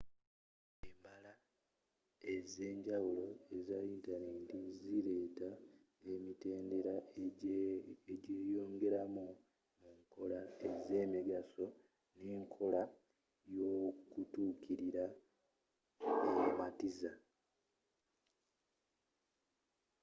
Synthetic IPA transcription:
embala | eze̞ːɲɟawulo̞e̞zaintaneːntiziɾe̞ːta | emite̞ːnde̞ɾa | eɟeːjo̞ːŋɡe̞ɾamu | uŋko̞lae̞ze̞miɡaso̞ | neːŋkʰo̞la | jo̞kutuːkʰiɾiɾa | ematiza

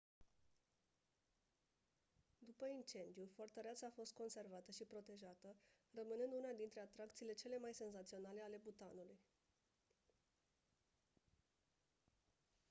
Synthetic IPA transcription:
d̪upəint͡ʃe̞nd̪ijufort̪əɾeat̪saːfo̞st̪̚ko̞nse̞rvat̪əʃipɾo̞t̪e̞ʒat̪ə | rəmɨnɨnd̪unad̪int̪ɾe̞at̪ɾakt̪siːle̞t͡ʃe̞le̞majse̞nzat̪sio̞nale̞ale̞but̪anuluj

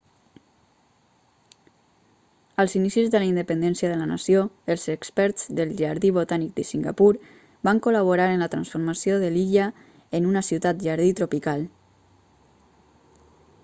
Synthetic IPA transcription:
əlˠzinisizðəlaind̪əpənd̪ɛnsiəðələna̰sioəlˠzəkspɛɾz̥ðəlˠʒaɾðiβot̪anik̚d̪əsiŋɡə̰puɾ | baŋkoləβoɾaɾənlət̪ɾənsfoɾməsioðəliʎə | ənunəsiwt̪at̪̚ʒaɾðit̪ɾopikalˠ

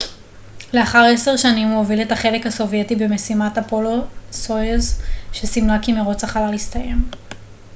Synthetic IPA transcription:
le̞aχaʁese̞ʁʃanimoviletaχe̞lekhaso̞vje̞tibe̞me̞simatapo̞losoezʃesimlakimeʁo̞t͡saχalalistaje̞m

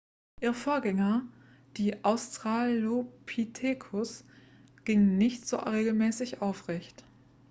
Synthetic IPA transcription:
ʔiːʁəfoːɐɡɛŋɐ | d̥iːʔaʊstʁ̥aːlopʰitʰeːkʰʊs | ɡ̥ɪŋnɪçtz̥o̰ʁeːɡl̩mɛːsɪçʔaʊfʁ̥ɛçt

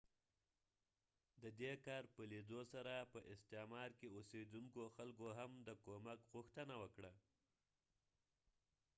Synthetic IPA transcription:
d̪əd̪ekɑɾpəled̪osaɾapəʔɪst̪emɑɾkeosed̪uŋkoxalkoɦamd̪əkomakɣʊxt̪ənawəkɽa

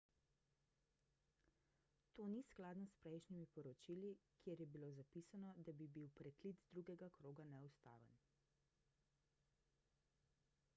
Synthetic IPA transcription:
t̪oːnisklaːd̪nɔspɾɛjʃnimipɔɾɔt͡ʃilikjeɾjɛbilozapisanɔd̪abibiwpɾɛkliːt̪d̪ɾuɡɛɡakɾoːɡanɛust̪a̰ːʋə̰n

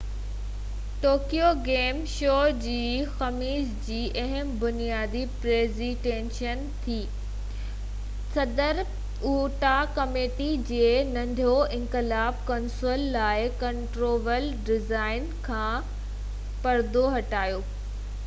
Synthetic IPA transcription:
ʈoːkijoɡeːmʃoːd͡ʑiːxɐmiːd͡ʑd͡ʑiːʔɐɦɪmbʊnijaːd̪ipɾeːziʈẽːnʃən | t̪ʰiː | sɐd̪əɾ | uːʈakɐmeːʈid͡ʑeːnɐ̃nd̪ʱjoɪ̃ŋkɪlaːbkɐnsoːlːaːɪkɐ̃ɳʈɾoːʋəl | ɖɪzaːɪnkʰãː | pɐɾd̪ʱoɦɐʈaːjoː

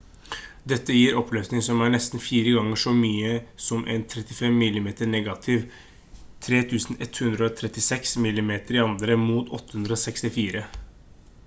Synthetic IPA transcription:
d̪ɛt̪ːəjiːɾɔpløːsnɪŋsɔmæɳɛst̪n̩fiːɾəɡɑŋːəʂɔmyːəsɔmʔɛ̰nt̪ʰɾɛt̪ɪfɛmːɪlːɪmeːt̪əɳɛːɡɑt̪ʰɪʋ | t̪ʰɾeːt̪ʰʉːsn̩ɛt̪hʉnd̪ɾəɔt̪ʰɾɛt̪ːɪsɛksmɪlːɪmeːt̪əɾɪɑnd̪ɾəmuːt̪ɔt̪ːə̥hʉnd̪ɾəɔsɛkst̪ɪfiːɾə

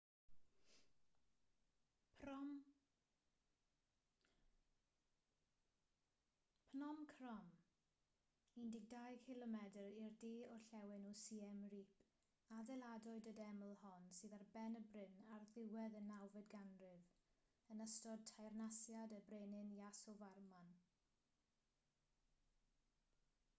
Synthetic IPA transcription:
p | pʰnɔmkʰrɔm | indɪɡ̚dajkʰɪlˠɔmɛdəɾirdiːɔɬɛwɪnusiːɛmripʰ | adɛlˠadɔɨdədɛməlˠhɔnsɨːðarbɛnəbrɪnarðɪwɛðənːawvɨdɡanrɪv | ənəstɔd̚tʰajrnasjadəbreːnɪnjasɔvarman

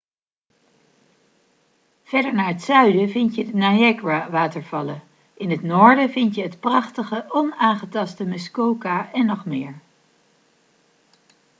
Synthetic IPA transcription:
v̥ɛɹdəɹnaːɹɦətsœɥdəvɪntjədənajɛkwaʋaːtəɹv̥ɑlə | ʔɪnɦətnɔːɹdəvɪntjəɦətprɑχtəχəʔɔnaːnχətɑstəmɪskowkaʔɛnːɔχmɪːɹ

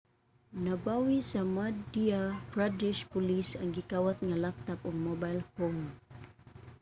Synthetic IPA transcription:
nabawisamadiapɾadɪʃpulisaŋɡikawat̪̚ŋalak̚t̪apɔŋmobalhom

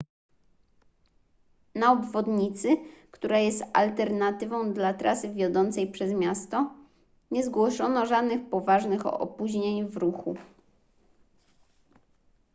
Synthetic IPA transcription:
naɔbvɔd̪ɲit̪sɘkt̪uɾajɛst̪a̰lt̪ɛɾnat̪ɘvɔ̃w̃d̪lat̪ɾʔasɘvʲjɔd̪ɔnt̪sɛjpʂɛzmʲjast̪ɔ | ɲɛzɡwɔʂɔnɔʐad̪nɘxpɔvaʐnɘxɔ̰ɔ̰puʑɲeɲvɾuxṵ

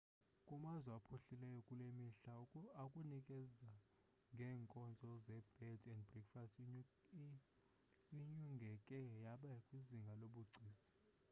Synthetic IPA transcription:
kʼumazɛapʰuɬilɛjɔkʼulemiɬaakʼunikʼɛza | ŋɡʱɛːŋkʼɔnd͡zʱɔzɛb̥ɛdʰʼɛnd̚brɛkfast | iɲuŋɡʱɛkʼɛjaɓakʼwiziŋɡʱaloɓuɡ͡ǀʱiːsi̥

